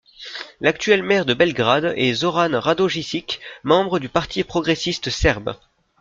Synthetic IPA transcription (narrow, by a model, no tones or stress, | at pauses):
lakt̪ɥɛlmɛʁd̪əbɛlɡʁad̪ɛzɔʁanʁad̪oʒisikmɑ̃bʁəd̪ypaʁt̪ʰipχɔɡʁesist̪sɛʁb